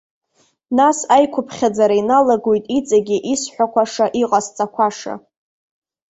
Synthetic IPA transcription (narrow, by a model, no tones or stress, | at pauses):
nasajkʷʰʊpʰχʲad͡zaɾainalaɡojtʼit͡sʼaɡʲiʔisħʷakʷaʂaʔiqʼast͡sʼakʷʰaʂa̰